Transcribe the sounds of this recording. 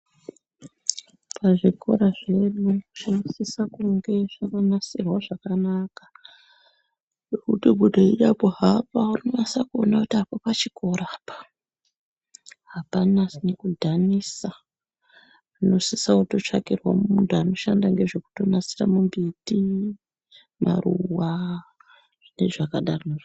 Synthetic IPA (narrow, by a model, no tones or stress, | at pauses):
pʰaʐikʰo̞̰ɾaʐe̞ɗuʐ̥inosisakuŋɡe̞ʐakanasirwaʐakanakḁ | jokutibʱudʱoiɗapoɦapaurnowasakuonakutiapapat͡ʃiko̞ɾaːpḁ | ɦapanasnekudʱanisa | ano̞sisauto̞t͡ʂakirwammuntuano̞ʃandaŋɡe̞ʐe̞ku̥to̞nasiramumbiti | ma̰ruwa | ʐ̥ine̞ʐakaɗaroneʐ